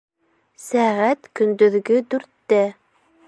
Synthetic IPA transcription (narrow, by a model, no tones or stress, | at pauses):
sæʁæt̪kɵ̆nd̪ɵ̆ðɡɵd̪ʉɾt̪ːæ